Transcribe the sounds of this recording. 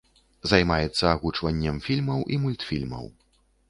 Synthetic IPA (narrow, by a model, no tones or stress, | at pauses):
zɐjmajɛt̪sːɐːɣut͡ʂvɐnʲːɛmfʲilʲmɐwʔimulʲt̪fʲilʲmɐ̰w